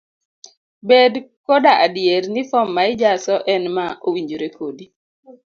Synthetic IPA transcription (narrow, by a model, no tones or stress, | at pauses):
bedkɔdaʔadjeɾnifɔmːaɪd͡ʒasɔʔɛnmaʔowiɲd͡ʒoɾekʰodi